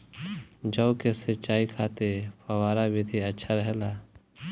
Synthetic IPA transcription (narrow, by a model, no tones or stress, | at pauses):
d͡ʒɐːʊkesɪt͡ʃaːikʰaːt̪epɐwaːɾabɪd̪ʰʱeɐtːʃʰaɾɛɦlaː